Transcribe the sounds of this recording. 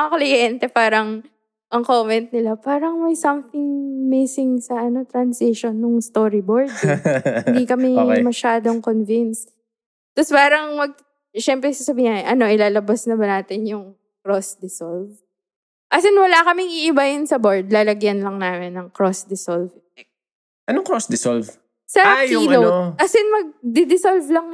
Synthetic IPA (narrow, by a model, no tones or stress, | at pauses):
ɐklɪjɛnt̪ɛpaːɾɐŋ | ʔɐŋkomɛnt̪̚nɪlapaːɾɐŋwɐɡsɐmθɪŋmisɪŋsɐʔɐno̞t̪ɾɐnsɪʃonːʊŋst̪oːɾɪboɹd̪ɪnd̪ikɐmɛmɐʃaːd̪o̞ŋkonvinst̪ | t̪ːospaːɾɐŋmɐɡ̚ | ʃɛmpɾɛsasɐbiːʔɐno̞ʔɪlaːlɐbɐsnɐbɐnaːt̪ɪnjʊŋ | kɾosd̪ɪsolv | ʔɐsɪnwɐlakɐmɪŋʔɪʔɪbɐjʊnsɐboɹd̪̚laːlɐɡjɐnlɐŋnaːmɪnːɐŋkɾosd̪ɪsolvt̪ɛk̚ | ʔɐnoŋkɾosd̪ɪsolv | sɐinowɐsɪnmɐɡ̚d̪ɪd̪ɪsolvlɐŋ